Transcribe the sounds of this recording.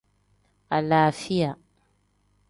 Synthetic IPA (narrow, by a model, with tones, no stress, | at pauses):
ʔa˨laːfɪ˦ja